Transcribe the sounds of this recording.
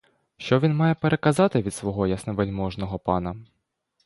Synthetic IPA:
ʃt͡ʃɔʋʲinmɑjɛpeɾʔekɐzɑt̪ɪʋʲid̪sʋɔɦɔjɐsnɛʋelʲmɔʒnɔɦɔpɑnɐ

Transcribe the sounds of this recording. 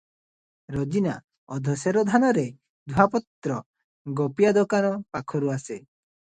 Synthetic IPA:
ɾɔd͡ʒina̰ | ɔd̪ʱɔseɾɔd̪ʱanɔɾe | d̪ʱuɦapɔt̪ːɾɔ | ɡɔpijad̪ɔkanɔpakʰɔɾuase

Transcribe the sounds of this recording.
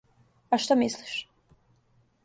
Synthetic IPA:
aʃt̪amisliʃ

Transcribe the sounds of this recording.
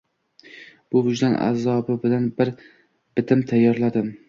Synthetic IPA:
b̥ʊvʊd͡ʒd̪ana̰zɒbɪbɪlanbɪɾ | b̥ɪt̪ʰɪmt̪ʰajːɒɾlad̪ɪm

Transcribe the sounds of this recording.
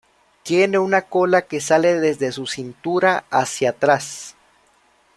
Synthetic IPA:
t̪je̞ne̞unako̞lake̞sale̞ðe̞zðe̞susint̪uɾaasjat̪ɾas

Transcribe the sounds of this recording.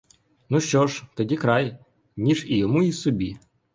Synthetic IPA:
nuʃt͡ɕɔʂt̪ɐdʲikɾaj | nʲiʂijɔmuisʊbʲi

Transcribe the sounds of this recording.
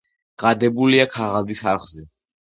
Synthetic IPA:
ɡ̥ad̪ɛbuliakʰaʁald̪isaɾχzɛ

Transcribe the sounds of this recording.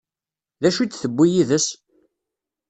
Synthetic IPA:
ðæʃut͡sːθəbːijiðəs

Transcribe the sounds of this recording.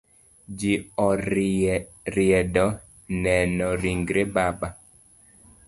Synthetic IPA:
d͡ʒiɔɾ | ɾjɛdɔ | nɛnɔɾiŋɡɾebaba

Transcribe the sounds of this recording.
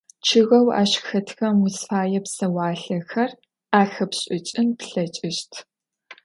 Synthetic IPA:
t͡ʃʰɨɣɐwa̰ːɕxɐtʰxɐmusfaːjɛpsɐwaːɬɐxɐr | aːxɐpɕʼɪt͡ʃʼɪmpɬɐt͡ʃʼɪʃtʰ

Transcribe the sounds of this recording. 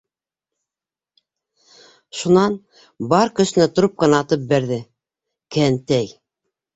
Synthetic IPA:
ʃunɑn | bɑɾkɵ̆sɘ̆næt̪ŏɾop̚qɤnɑːt̪ɤp̚bæɾðɘ | kænt̪æj

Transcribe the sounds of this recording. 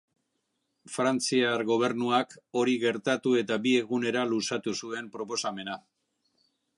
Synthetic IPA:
fɾant͡siaɾɣo̞β̞e̞ɾnuako̞ɾiɣe̞ɾt̪at̪ue̞t̪abie̞ɣune̞ɾalusat̪usue̞mpɾo̞po̞same̞na

